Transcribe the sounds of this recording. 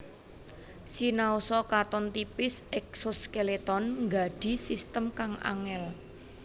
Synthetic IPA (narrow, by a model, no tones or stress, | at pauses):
sinaosɔkat̪ɔnt̪ipɪsɛk̚soskelet̪ɔnŋɡa̤ɖ̥i̤sist̪əmkaŋa̰ŋɛl